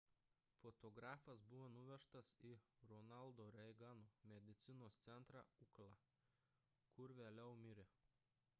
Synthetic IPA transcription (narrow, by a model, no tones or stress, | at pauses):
fɔt̪ɔɡɾɑːfɐsbʊʋonʊʋʲɛʃt̪ɐsiɾɔnɑlˠˑd̪oːɾʲɛɪɡɑnomʲɛd̪ʲɪt̪sʲɪnoːst̪sʲɛnˑt̪ɾɑ̰ːʊklˠɑː | kʊɾʋʲeːlʲɛʊmʲɪɾʲe